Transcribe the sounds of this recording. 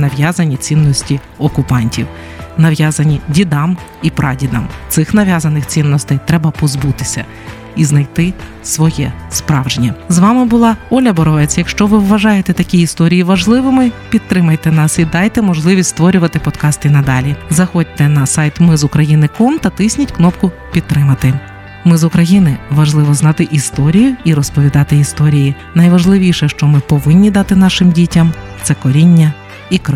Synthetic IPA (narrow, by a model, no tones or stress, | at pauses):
nɐʋjazɐnʲit͡sʲinːɔsʲtʲi | ɔkʊpɑnʲtʲiw | nɐʋjazɐnʲidʲid̪ɑm | ipɾʔɑdʲid̪ɑ̰mt̪sɪxnɐʋʲjazɐnɪxt͡sʲinːɔst̪ɐjt̪ɾɛbɐpɔzbut̪ɪ̥sʲɐ̰ | iznɐjt̪ɪ | sʋɔjɛ̰spɾɑwʒenʲːɐzʋɑmɪbʊlˠɑɔlʲɐbɔɾɔʋɛt͡sʲjɐkʃt͡ʃɔʋɪwːɐʒɑjet̪ɛt̪ɐkʲiist̪ɔɾʲijiʋɐʒlˠɪʋɪmɪpʲid̪̚t̪ɾɪmɐjt̪ɛnɑsid̪ɑjt̪ɛmɔʒlˠɪʋʲisʲst̪ʋɔɾʲʊʋɐt̪ɪpɔd̪kɑst̪ɪnɐd̪ɑlʲizɐxɔd̚ʲt̪ɛnɐsɑjt̪mɪzʊkɾɐjinɪkɔmt̪ɐt̪ɪsʲnʲɐtʲknɔpkʊ | pʲid̪̚t̪ːɾɪmɐt̪ɪ | mɪzʊkɾɐjinɪʋɐʒlˠɪʋɔznɑt̪ɪʔist̪ɔɾʲijʊiɾɔspɔʋʲid̪ɑt̪ɪist̪ɔɾʲiji | nɐjʋɐʒlˠɪʋʲiʃɛʃt͡ʃɔmɪpɔʋɪnʲːid̪ɑt̪ɪn̪ɑʃɪmdʲitʲɐmt̪sɛkɔɾʲinʲːɐ | ikɾ